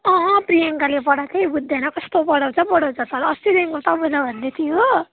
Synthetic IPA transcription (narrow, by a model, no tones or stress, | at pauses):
ʌ̃ɦprijaŋkalepʌɽak̪ejbud̪ʱːanʌkʌst̪opʌɽaw̃t͡sʰʌpʌɽʌw̃t͡sʰʌt̪ʌɾʌst̪iɾeŋkot̪ʌbelabʱʌnd̪et̪ʰijo